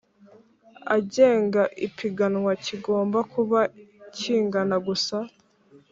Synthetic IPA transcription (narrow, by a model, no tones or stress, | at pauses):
aɟe̞ːŋɡaʔipiɡanŋwaciɡo̞ːmbakuβaciːŋɡanaɡusa